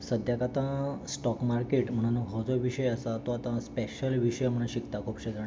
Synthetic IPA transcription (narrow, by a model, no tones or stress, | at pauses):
səd̪ʱjakat̪ãsʈɔkmaɾkeʈm̤əɽ̃ũnəɦɔd͡zoʋiɕəjəsat̪oat̪ãspeɕəlʋiɕəjm̤əɽ̃ãɕikt̪akʰupɕed̪aɳ